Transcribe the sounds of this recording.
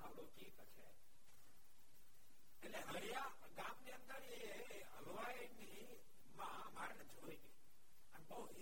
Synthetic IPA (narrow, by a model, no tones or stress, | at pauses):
alokikt͡ʃʰe | eʈleɦəɽija | ɡãmniənd̪əɾee | əloʋaeni | mã | maɾnd͡ʒʱoiɡe | ənbəui